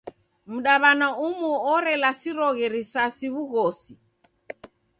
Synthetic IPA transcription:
m̩ɗaβanaumuɔɾɛlasiɾɔɣɛɾisasiβuɣɔsi

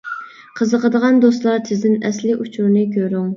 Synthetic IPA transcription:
qʰəzəqʰəd̪əʁɑnd̪ost̪lˠɑɾt̪ʰɪzd̪ɪnɛslɪʔut͡ʃʰuɾnɨkʲʰøɾyŋ

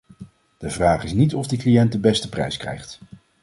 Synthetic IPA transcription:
d̥əvraːχɪsnitɔvdiklijɛnt̚dəbɛstəprɛ̰jskɛ̰jχt

